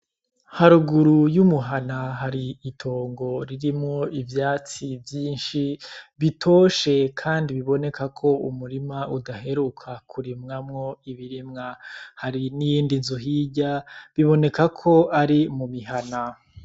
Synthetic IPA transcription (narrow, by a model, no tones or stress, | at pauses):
haɾuɡuɾujumuɦanaɦaɾiːtʰo̞ːŋɡo̞ɾiɾimŋo̞ivjaːt͡sivjiːnʃiβitʰo̞ːʃe̞kʰaːndiβiβo̞ne̞kakʰo̞umuɾimaʔudaɦe̞ɾukʰakʰuɾimŋamŋo̞iβiɾimŋahaɾinijiːndinzuɦiɟaβiβo̞ne̞kakʰo̞ʔaɾimumiɦana